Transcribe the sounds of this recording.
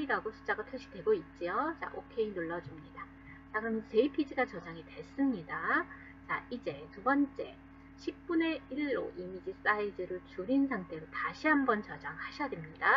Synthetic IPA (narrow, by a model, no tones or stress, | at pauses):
iɾaɡosʰu̥t͡ɕ͈aɡatʰweɕʰi̥dwe̞ɡoit̚t͡ɕ͈ijot͡ɕa̰ʔokʰe̞inoɭːʌd͡ʑumɲida | t͡ɕaɡɯmsʰeipʰid͡ʑiɡat͡ɕʌd͡ʑaŋitwe̞ɭs͈ɯmɲida | t͡ɕaʔid͡ʑe̞tubʌnt͡ɕ͈e̞ | ɕʰip̚p͈une̞iɭːo̰ʔimid͡ʑis͈aidɯɾɯɭt͡ɕuɾinsʰaŋtʰe̞ɾotaɕʰiɦambʌnt͡ɕʌd͡ʑaŋhaɕʰjadwemɲida